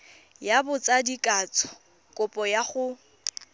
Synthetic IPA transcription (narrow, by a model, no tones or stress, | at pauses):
jabʊt͡sʼadikʼat͡sʼɔ̥ | kʼʊpʼɔjaχʊ